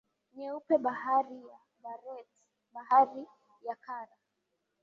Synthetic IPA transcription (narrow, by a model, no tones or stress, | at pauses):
ɲɛupɛɓahaɾija | ɓaɾɛt | ɓahaɾi | jakaɾa